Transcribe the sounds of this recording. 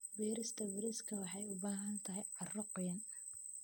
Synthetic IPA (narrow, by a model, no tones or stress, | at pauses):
wɛːɾɪst̪ʰɐwɪɾɪskʰɐwɑħɑjʊbaːɦɐnt̪ʰɐɦɛjʕɑrɐqɔjɐn